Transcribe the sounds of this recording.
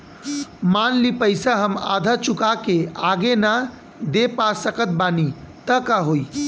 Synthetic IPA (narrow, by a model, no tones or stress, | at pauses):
manlipəɪsaɦəma̰d̪ʱat͡ʃukakeaɡena | d̪epasəkət̪̚banit̪əkaɦoj